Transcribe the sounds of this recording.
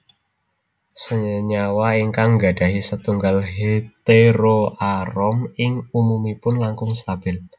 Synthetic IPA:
səɲawaiŋkaŋɡa̤ɖ̥a̤ɦisət̪uŋɡalɦet̪eɾoʔaɾɔmɪŋumumipʊnlaŋkʊŋst̪ab̥ɪl

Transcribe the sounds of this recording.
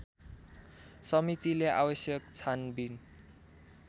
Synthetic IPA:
sʌmit̪ilea̰wʌsjʌkt͡sʰanbin

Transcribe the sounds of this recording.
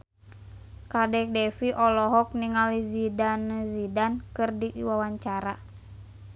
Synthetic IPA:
kadɛk̚dɛfiʔɔlɔɦɔk̚niŋalizidanəzidankɨrdiʔwawaɲt͡ʃaɾa̰

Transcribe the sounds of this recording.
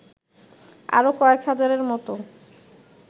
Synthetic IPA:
a̰ɾokɔekɦad͡ʑaɾeɾmɔt̪o

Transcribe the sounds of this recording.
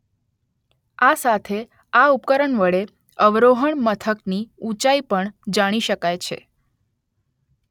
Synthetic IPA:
asat̪ʰe | aupkəɾəɳʋəɭe | əʋɾoɦəɳmət̪ʰəkniũt͡ʃaipəɳd͡ʒaɽ̃iʃəkajt͡ʃʰḛ

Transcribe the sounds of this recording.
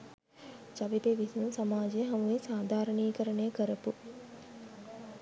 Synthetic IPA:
d͡ʒɐʋibeʋisiunsɐmaːd͡ʒejəɦɐmuʋesaːd̪ʱaːɾəniːkəɾɐnejːkəɾɐpu

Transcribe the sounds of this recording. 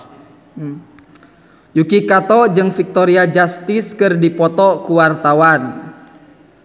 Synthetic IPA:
jukikat̪ɔd͡ʒɨŋfik̚t̪ɔɾiad͡ʒast̪iskɨrdipɔt̪ɔkuwart̪awan

